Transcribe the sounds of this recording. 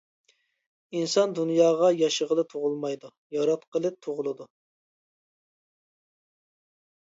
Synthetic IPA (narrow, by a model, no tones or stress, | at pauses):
insɑnd̪unjɑːʁɑjɑʃəʁəlˠɨt̪ʰoʁʊlˠmɑjd̪u | jɑɾɑt̪qʰəlˠɨp̚t̪ʰoʁʊlˠɨd̪u